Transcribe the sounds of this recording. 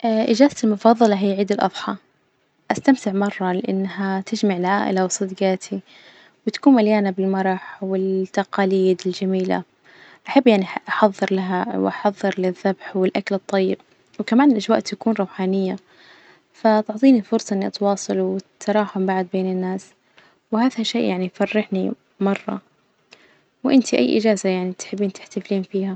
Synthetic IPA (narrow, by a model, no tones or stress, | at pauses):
ʔaʔɪd͡ʒaːzat̪ɪlmʊfɑːðˤɑlɑɦijːaʕiːd̪ɪlʔɑðˤħɑ | ʔast̪amt̪ɪʕmɑrˤːɑlɪʔanːɦat̪ʰɪd͡ʒmaʕɪlʕaːʔɪ̰lawɨsˤːɨd̪ɡɑːt̪ʰi | wɪt̪ḁkuːnmaljaːnabɪlmɑɾˤɑħwɪt̪ːɑqɑːliːd̪ɪld͡ʒamiːla̰ | ʔaħabːjaʕniʔaħɑðˤːɨɾlaɦawʔɑħɑðˤːɨɾlɪðːabħwɪlʔaklɨt̪ˤːɑjːɪb̚ | wɪkamaːnɪlʔad͡ʒwaːʔt̪akuːnɾˤɑwħaːnɪjːa | fat̪ɪʕt̪ˤiːnifʊɾsˤɑʔɪnːiʔɑt̪wɑːsˤɑlwɪt̪ʰːɑɾˤɑːħʊmbaʕd̪̚beːnɪnːaːs | wɪhaːðhaʃḛːʔjaʕnifɑrːɪħni | mɑrˤːɑ̰ | wʔɪnt̪iʔa̰jːʔɪ̰d͡ʒaːzajaʕnit̪ħɪbːiːnt̪ɪ̥ħt̪afliːnfiːha